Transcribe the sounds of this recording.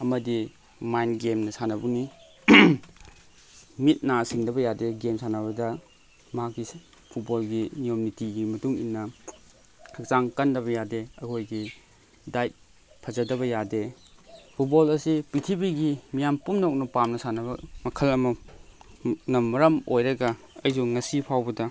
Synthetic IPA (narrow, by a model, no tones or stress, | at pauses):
ɐmɐdi | majnɡemnɐsanɐbuni | mit̚nasiŋdɐbɐjadeɡemsanɐβɐdɐ | mɐɦakːi | pʰut̚bolɡinijomnitiɡimɐtuŋḭnːɐ | kʰɯk̚t͡ʃaŋkɐndɐβɐjadeɐkʰojɡi | dajt̚ | pʰɐzɐdɐβɐjade | pʰut̚bolɐsipitʰibiɡimijampumnok̚nɐpamnɐsanɐbɐmɐkʰɐlɐmɐ | nɐmːɐɾɐmojɾɐɡɐ | ɐjsuŋŋɐsipʰawbɐdɐ